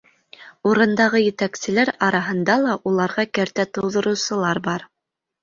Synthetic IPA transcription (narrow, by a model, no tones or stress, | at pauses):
uɾɤ̆nd̪ɑʁɤjɘ̆t̪æksɘ̆læɾɑɾɑɦɤ̆nd̪ɑlˠɑʔulˠɑɾʁɑkæɾt̪æt̪ɤ̆wðɤ̆ɾɤ̆wsɤ̆lˠɑɾbɑɾ